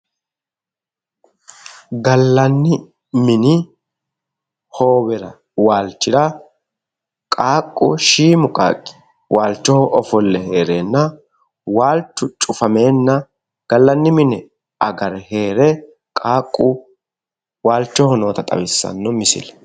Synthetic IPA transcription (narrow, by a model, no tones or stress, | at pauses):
ɡɐlːɐnːɪ | mɪnɪ | hoːwɛɾɐ | waːlt͡ʃːɪɾɐ | kʼaːkʼːʊ̰ʃiːmʊkʼa̰ːkʼːɪ̥ | wʔaːlt͡ʃːɔhɔʔɔfɔlːɛheːɾeːnːɐ | waːlt͡ʃːʊt͡ʃʼʊfɐme̞ːnːɐ | ɡ̥ɐlːɐnːɪmɪnɛ | ɐɡɐɾɛhe̞ːɾɛ | kʼaːkʼːʊ | waːlt͡ʃːɔhɔnoːt̪ɐt̪ʼɐ̰bɪsːɐ̰nːɔmɪsɪ̰lɛ